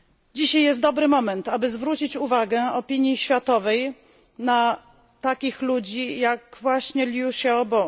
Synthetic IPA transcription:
d͡ʑiɕajjɛst̪̚d̪ɔbɾɘmɔmɛnt̪abɘzvɾut͡ɕit͡ɕuvaɡɛɔpʲiɲjiɕfʲjat̪ɔvɛj | na | t̪akʲixlud͡ʑijakvwaɕɲɛlʲjuɕɛɔbɔ

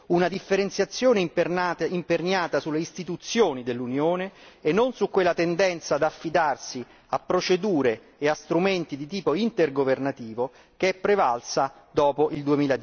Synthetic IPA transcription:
unad̪ifːeɾent̪sjat̪sːjoːneipːimpernaːt̪asulːeist̪it̪ut̪sːjoːnid̪elːunjoːneenːonsukːwelːat̪end̪ɛnt̪sad̪afːid̪arsi | apːɾot͡ʃed̪uːɾeː | ast̪ɾument̪id̪it̪iːpoint̪erɡovernat̪iːvo | keɛpːɾevalsad̪ɔːpoʔild̪uemiːlad̪

